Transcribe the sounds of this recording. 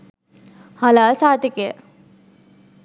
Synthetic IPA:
halaːsaːt̪ekeə̰

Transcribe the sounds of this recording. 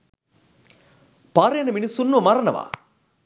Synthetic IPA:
paːɾɐjɐnɐminisunːomaɾɐnɐ̰ʋa̰

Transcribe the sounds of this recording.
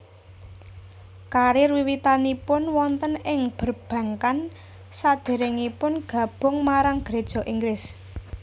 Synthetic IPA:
kaɾirwiwit̪anipʊnwɔnt̪ənɪŋb̥ə̤rb̥ä̤ŋkan | sad̪̥e̤ɾɪŋipʊnɡ̥ä̤b̥ʊ̤ŋmaɾaŋɡ̥ɾed̥ʒ̥ɔ̤ʔiŋɡɾɪs

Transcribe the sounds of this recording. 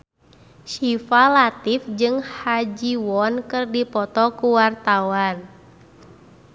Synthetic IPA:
ʃifalat̪ifd͡ʒɨŋhad͡ʒiwɔnkɨrdipɔt̪ɔkuwart̪awan

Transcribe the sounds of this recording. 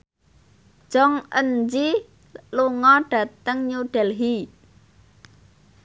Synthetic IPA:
ʒ̥ɔŋʔənd͡ʒi | luŋɔɖ̥a̤t̪əŋɲuɖ̥ɛlɦi

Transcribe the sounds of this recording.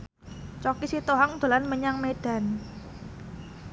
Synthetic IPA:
t͡ʃɔkisit̪oɦaŋd̪̥o̤lanməɲaŋmed̥a̤n

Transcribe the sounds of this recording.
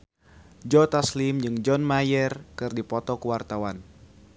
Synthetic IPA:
d͡ʒɔt̪aslimd͡ʒɨŋd͡ʒɔnmajɛrkɨrdipɔt̪ɔkuwart̪awan

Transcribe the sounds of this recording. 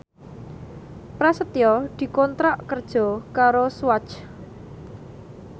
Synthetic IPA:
pɾasət̪iɔd̪̥i̤kɔnt̪ɾaʔkərd̥ʒ̥ɔ̤kaɾoswat͡ʃ

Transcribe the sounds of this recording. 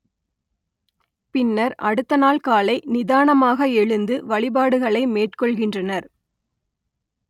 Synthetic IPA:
pɪnːɐɾʔɐ̰ɽɯt̪ːɐnaːlkaːlɐɪnɪðaːɳɐmaːɣɐɛɭɯnd̪ɯʋɐɭɪbaːɽɯɣɐɭɐɪmeːʈkɔɭɣɪndrɐnɐɾ

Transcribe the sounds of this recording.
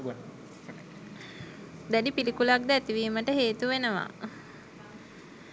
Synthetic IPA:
d̪æɖipilikulak̚d̪əæt̪iʋiːməʈəɦeːt̪uʋenəʋa̰

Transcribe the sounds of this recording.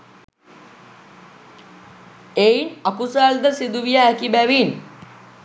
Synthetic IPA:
einakusaːld̪əsid̪uʋijaːkibæʋin

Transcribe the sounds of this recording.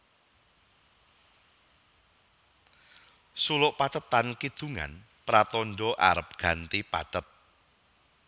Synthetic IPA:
sulʊʔpat̪ət̪ːankid̪̥ṳŋa̰n | pɾat̪ɔnɖɔʔaɾəp̚ɡ̥a̤nt̪ipaɖ̥ət̪̚

